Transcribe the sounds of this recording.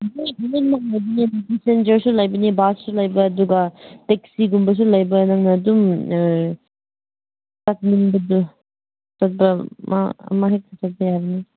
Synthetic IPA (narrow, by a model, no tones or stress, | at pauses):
mabinen̚maŋlajbɐnidudisend͡ʒɐɾsulajbɐnibassulajbɐːduɡɐtek̚siɡumbɐs̬ulɐjbɐnaŋnɐːdum | tat̚niŋbɐdu | sat̚bɐma̰ɐ̰maɦek̚tʰatʰat̚bɐjajbɐni